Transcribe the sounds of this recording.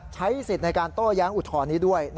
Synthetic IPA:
t͡ɕʰa˦˥jsi˨˩t̪̚na˧jkaː˧nt̪oː˥˩jaː˦˥ŋʔu˨˩t̪ʰɔː˧nːiː˦˥du˥˩əjn

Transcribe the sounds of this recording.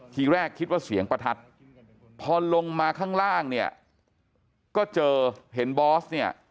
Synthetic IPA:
t̪ʰiː˧ɾɛː˥˩kʰːi˦˥t̪̚waː˥˩si˩˦əŋpɾa˧t̪ʰa˦˥t̪̚ | pʰɔː˧lo˧ŋmaː˧kʰaː˥˩ŋɾaː˥˩ŋni˥˩ɐ | kɔː˥˩t͡ɕɤː˧ɦe˩˦nbɔː˦˥sni˥˩ɐ

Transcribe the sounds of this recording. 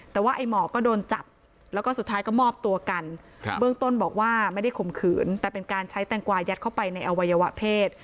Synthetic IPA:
t̪ːɛː˨˩waː˥˩ʔa˧jmɔː˨˩kɔː˥˩doː˧nt͡ɕa˨˩p̚ | lɛ˦˥wkɔː˥˩su˨˩t̪ʰːaː˦˥jkɔ˥˩mɔː˥˩p̚t̪u˧ɐka˧n | bɯ˥˩əŋt̪o˥˩nbɔː˨˩k̚waː˥˩ma˥˩jda˥˩jkʰo˨˩mkʰɯː˩˦nt̪ɛː˨˩pe˧nkaː˧nt͡ɕʰa˦˥jt̪ɛː˧ŋkwaː˧ja˦˥t̪̚kʰa˥˩wpa˧jna˧jʔa˧wa˧jːa˧wa˦˥ʔpʰeː˥˩t̪̚

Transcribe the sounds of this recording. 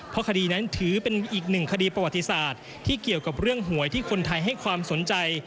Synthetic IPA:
pʰɔ˦˥kʰa˧diː˧na˦˥nt̪ʰɯː˩˦pe˧nʔiː˨˩k̚nɯ˨˩ŋkʰa˧diː˧pɾa˧wa˨˩t̪ːi˧˥saː˨˩t̪̚ʰːiː˥˩ki˨˩əwka˨˩p̚ɾɯ˥˩əŋɦu˩˦əjt̪ʰiː˥˩kʰo˧nt̪ʰa˧jɦa˥˩jkʰwaː˧mso˩˦nt͡ɕa˧j

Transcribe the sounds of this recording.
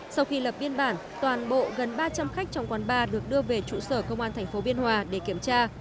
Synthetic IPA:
sa˧wxi˧lə˨˩p̚ɓi˧ənɓaː˧˩n | t̪waː˨˩nɓo̰˧˨ɣə˨˩nɓaː˧t͡ɕa˧mxa˦˥jk̚t͡ɕɔ˧wŋ͡mkwaː˨˦nɓaː˧ɗɨ˨˩ək̚ɗɨ˧əve˨˩t͡ɕṵ˧˨səː˧˩kə˧wŋ͡mʔaː˧nt̪ʰɛ˨˩ŋ̟fo˨˦ɓi˧ənhwaː˨˩ɗe˧˩ki˧˩əmt͡ɕaː˧

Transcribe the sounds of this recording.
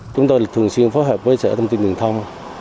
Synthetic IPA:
t͡ɕʊ˨˦ŋ͡mt̪o˧jlaː˨˩t̪ʰəŋswi˧ənfo˨˦jɦɛ˨˩p̚vəː˨˦jt͡ɕɛ̰˧˥t̪ə˧wŋ͡mt̪i˧nt̪i˨˩ŋt̪ʰa˧wŋ͡m

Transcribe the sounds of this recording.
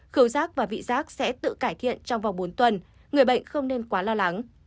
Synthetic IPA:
xɨ˨˦wzaː˦˥k̚vaː˨˩vḭ˧˨zaː˦˥k̚sɛ̰˧˥t̪ɨ̰˧˨kaː˧˩jt̪ʰḭ˧˨ənt͡ɕɔ˧wŋ͡mvaː˨˩wŋ͡mɓo˨˦nt̪wə˨˩n | ŋɨ˨˩əjɓə̰˧˨jŋ̟xə˧wŋ͡mne˧nkwaː˨˦lɔː˧la˨˦ŋ

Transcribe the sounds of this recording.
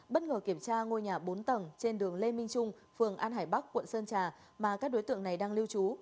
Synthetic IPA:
ɓə˦˥t̚ŋəː˨˩ki˧˩əmt͡ɕaː˧ŋo˧jɲaː˨˩ɓo˨˦nt̪ə˨˩mt͡ɕe˧nɗɨ˨˩əŋle˧mï˧ŋ̟t͡ɕʊ˧ŋ͡m | fɨ˨˩əŋʔaː˧nɦaː˧˩jɓa˦˥k̚kːwə̰˧˨nsəː˧nt͡ɕaː˨˩ | maː˨˩kaː˦˥k̚ɗo˨˦jt̪ɨ̰˧˨əŋna˨˩jɗaː˧ŋli˧wt͡ɕu˨˦

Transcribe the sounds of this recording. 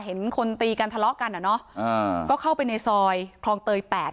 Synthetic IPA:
ɦe˩˦nkʰo˧nt̪iː˧ka˧nt̪ʰa˧lɔ˦˥ʔka˧nʔa˨˩nɔ˦˥ʔəː˧kɔː˥˩kʰa˥˩wpa˧jneː˧sɔː˧jkʰlɔː˧ŋt̪ɤː˧jpɛː˨˩t̚

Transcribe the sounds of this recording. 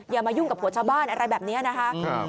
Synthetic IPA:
jaː˧˩maː˧ju˥˩ŋka˨˩p̚hu˩˦t͡ɕʰaː˧wbaː˥˩nʔa˧ɾa˧jbɛː˨˩p̚niː˦˥ɐ˨na˦˥kʰa˦˥ʔ

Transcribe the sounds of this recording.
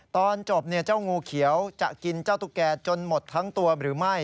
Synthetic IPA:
t̪ɔː˧nt͡ɕo˨˩p̚ni˥˩ɐt͡ɕaː˥˩wŋuː˧kʰi˩˦əwt͡ɕa̰˨˩ʔki˧nt͡ɕaː˥˩wt̪uː˧˥˩kɛː˧t͡ɕo˧nmo˨˩t̪ʰːa˦˥ŋt̪u˧ɐɾɯː˩˦ma˥˩j

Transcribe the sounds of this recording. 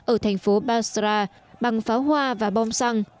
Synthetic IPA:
ʔəː˧˩t̪ʰa˨˩ŋ̟fo˨˦ɓaː˧sɾaː˧ | ɓa˨˩ŋfaː˨˦wɦwaː˧vaː˨˩ɓɔ˧wŋ͡msa˧ŋ

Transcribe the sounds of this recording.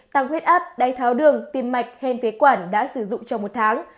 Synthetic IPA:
t̪aː˧˩ŋxwi˦˥t̚ʔaː˦˥p̚ɗaː˨˦jt̪ʰaː˨˦wɗɨ˨˩əŋt̪i˧mːa˨˩jk̟̚he˧nfi˨˦kwaː˧˩nɗa̰ː˧˥sɨ˧˩zʊ̰˧˨ŋ͡mt͡ɕɔ˧wŋ͡mmo˨˩t̚t̪ʰaː˨˦ŋ

